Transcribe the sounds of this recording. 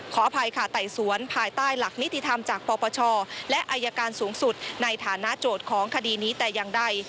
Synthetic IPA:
kʰɔː˩˦pʰa˧jkʰa˥˩t̪a˨˩jsu˩˦ənpʰaː˧jt̪aː˥˩jla˨˩k̚ni˦˥t̪ːi˧˩t̪ʰa˧mt͡ɕaː˨˩k̚pɔː˧pɔː˧t͡ɕʰɔː˧lɛ˦˥ʔaː˧jːa˧kaː˧nsuː˩˦ŋsu˨˩t̪̚na˧jt̪ʰaː˩˦na˦˥ʔt͡ɕoː˨˩t̪̚kʰɔː˩˦ŋkʰa˧diː˧niː˦˥t̪ɛː˨˩ja˧ŋda˧˩j

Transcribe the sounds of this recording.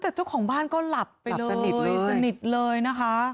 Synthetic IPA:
t̪ɛː˨˩t͡ɕa˥˩wkʰɔː˩˦ŋbaː˥˩nkɔː˥˩la˨˩pːa˧jlɤː˧˨˩jsa˧ni˨˩t̪̚lɤː˧jna˦˥kʰa˦˥

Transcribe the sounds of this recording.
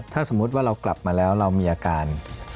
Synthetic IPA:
t̪ʰaː˥˩so˩˦mːu˦˥t̪̬̚waː˥˩ɾa˧wkla˨˩p̚maː˧lɛː˦˥wɾa˧wmiː˧ʔaː˧kaː˧n

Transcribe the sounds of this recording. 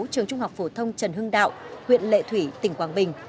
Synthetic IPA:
t͡ɕɨ˨˩əŋt͡ɕʊ˧ŋ͡mha˨˩wk͡p̚fo˧˩t̪ʰə˧wŋ͡mt͡ɕə˨˧˩nhɨ˧əŋɗa̰ː˧˨wʔhwḭ˧˨ənlḛ˧˨t̪ʰwi˧˩t̪ï˧˩ŋ̟kwaː˨˩nɓï˨˩ŋ̟

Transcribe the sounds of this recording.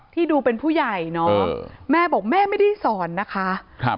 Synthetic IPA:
t̪ʰiː˥˩duː˧pe˧npʰuː˥˩ja˨˩jnɔː˦˥˧mɛː˥˩bɔː˨˩k̚mɛː˥˩ma˥˩jda˥˩jsɔː˨˩˦nːa˦˥kʰa˦˥ʔkʰa˦˩

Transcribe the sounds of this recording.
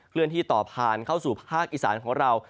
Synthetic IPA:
kʰlɯ˥˩ənt̪ʰiː˥˩t̪ɔː˨˩p̚ʰːaː˨˩nkʰa˥˩wsuː˨˩pʰaː˥˩k̚ʔiː˨˩sa̰ː˩˦nkʰɔː˩˦ŋɾa˧w

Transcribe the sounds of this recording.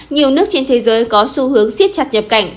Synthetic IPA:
ɲi˨˩əwnɨ˦˥ək̚t͡ɕe˧nt̪ʰe˨˦zəː˨˦jkɔ˨˦su˧hɨ˨˦əŋsi˦˥ət̚t͡ɕa˨˩t̚ɲə˨˩p̚ka˧˩jŋ̟

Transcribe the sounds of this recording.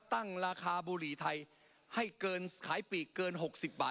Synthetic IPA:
t̪a˥˩ŋɾaː˧kʰaː˧buː˧ɾiː˨˦t̪ʰa˧j | ha˥˩jkɤː˧nkʰaː˩˦jpiː˨˩kɤː˧nɦo˨˩k̚si˨˩p̚baː˨˩

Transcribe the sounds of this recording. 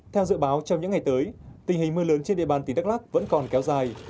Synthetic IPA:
t̪ʰɛ˧wzɨ̰˧˨ɓaː˨˦wt͡ɕɔ˧wɲɨ̰˧˥ŋa˨˩jt̪əː˨˦jt̪ï˨˩ŋ̟hï˨˩ŋ̟mɨ˧ələː˨˦nt͡ɕe˧nɗḭ˧˨ɓaː˨˩nt̪nɗ̚laː˦˥k̚və̰˧˥nkɔ˨˩nkɛ˨˦wzaː˨˩j

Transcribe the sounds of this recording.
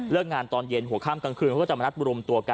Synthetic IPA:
lɯ˥˩ək̚ŋaː˧nt̪ɔː˧nje˧nɦu˨˩˦əkʰaː˥˩mka˧ŋkʰɯː˧nkːt͡ɕa˨˩ma˧n˦˥t̪̚ʔu˧ɾo˧mt̪u˧ɐka˧

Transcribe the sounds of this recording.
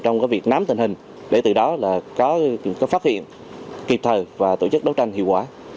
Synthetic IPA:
t͡ɕɔ˧wŋ͡mkaː˨˦jvi˨˩ək̚na˨˦mt̪ï˨˩ŋ̟hï˨˩ŋ̟ | ɗe˧˩t̪ɨ˨˩ɗɔ˨˦laː˨˩kɔ˨˦kɔ˨˦faː˦˥hḭ˧˨ən | ki˨˩p̚t̪ʰəː˨˩vaː˨˩t̪o̰˧˩t͡ɕɨ˦˥k̚ɗə˨˦wt͡ɕa˧jŋ̟hḭ˧˨əwkwaː˧˦

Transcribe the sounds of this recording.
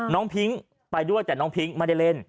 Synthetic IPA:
nɔː˦˥ŋpʰi˦˥ŋ | pa˧jdu˥˩əjt͡ɕaː˨˩nɔː˦˥ŋpʰi˦˥ŋmaː˧da˥˩jle˧˥˩n

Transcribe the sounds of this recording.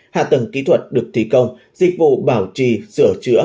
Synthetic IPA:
ha̰ː˧˨t̪ə˨˧˩ŋkḭ˧˥t̪ʰwə˨˩t̚ɗɨ˨˩ək̚t̪ʰi˧˦kə˧wŋ͡m | zï˨˩k̟̚vṵ˧˨ɓaː˧˩wt͡ɕi˧˨˩sɨ˧˩ət͡ɕɨ˧˦˥ə

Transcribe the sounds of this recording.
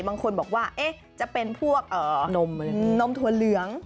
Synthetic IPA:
baː˧ŋkʰo˧nbɔː˨˩k̚waː˥˩ʔeː˦˥ | t͡ɕa˨˩ʔpe˧npʰu˥˩ək̚ʔɤː˨˩no˧mː˧˩no˧mt̪ʰu˧˩ɐ˦lɯ˨˩˦əŋ

